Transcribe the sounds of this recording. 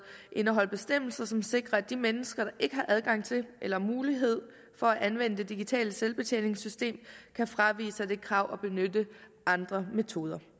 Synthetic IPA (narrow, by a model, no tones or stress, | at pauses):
ʔe̝nəɦɒ̽l̰b̥e̝sd̥em̰l̩sɐsɒ̽mse̝ɡ̥ʁɐæd̥imenəsɡ̥ɐɾ̥ɑ̈ʔe̝ɡ̥əɦɑ̈ʔæðˠɡ̥ɑ̈ŋ̰t͡sʰe̝lʔelɐmuːliɦe̝ð̞̰ˠ | fɒ̽æʔænʋen̰əd̥e̝d̥iɡ̥it͡sʰɛ̰ːləselb̥e̝t͡sʰḛne̝ŋsysd̥e̝̰ːmkʰæfʁɑ̈ʋḭːsəd̥e̝kʰʁɑ̈ʊ̰ʔɒ̽b̥e̝nød̥ə | ɑ̈nd̥ʁɐmet͡sʰo̝ːð̞ˠɐ